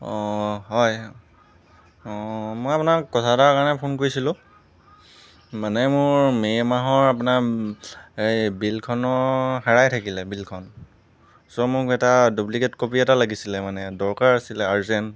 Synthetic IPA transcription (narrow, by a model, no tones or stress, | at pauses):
ɔɦɔj | mojapunakɔtʰatakaɹɔnɛpʰonkoɹisilʊ̃ | manɛmʊɹmejmaɦɔɹapunaɹ | ejbilkʰɔnɔxaɹajtʰakilɛbilkʰɔn | sɔmʊkɛtadublikɛtkopiɛtalaɡisilɛmanɛdɔɹkaɹasilɛaɹzɛn